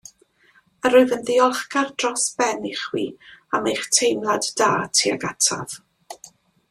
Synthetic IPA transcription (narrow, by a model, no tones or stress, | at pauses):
əɾʊɨðənðɪɔlˠχkard̥rɔsb̥ɛniχwḭːamejχtʰejmlˠaddaːtʰiːa̰ɡatʰa̰v̥